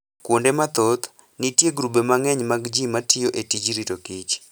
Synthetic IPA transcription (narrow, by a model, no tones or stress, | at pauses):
kwondemat̪ot̪ | nitjeɡɾubemaŋɛɲmaɡd͡ʒimatʰɪjoʔetid͡ʒiɾitokit͡ʃ